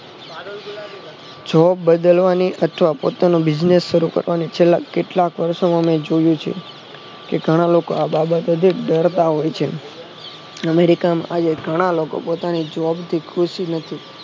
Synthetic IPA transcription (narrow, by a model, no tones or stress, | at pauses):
d͡ʒɔbːəd̪əlʋaniʔət̪ʰʋapot̪anũbɪd͡ʒnesːəɾukə̰ɾʋanit͡ʃʰelːakːeʈlakʋəɾʃomãmed͡ʒojũt͡ʃʰḛ | keɡʱəɽ̃alokoababət̪əd̪ʱiɖəɾt̪aɦojt͡ʃʰe | əmeɾikamã̰ʔad͡ʒeɡʱəɽ̃aloko̰pot̪anid͡ʒʋɔbt̪ʰikʰɾuʃinət̪ʰi